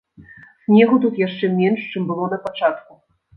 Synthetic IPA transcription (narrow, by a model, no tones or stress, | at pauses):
sʲnʲɛɣut̪̬ut̪jaʂt͡ʂɛmʲɛnʂt͡ʂɨmbɨlˠɔnɐpat͡ʂat̪̚ku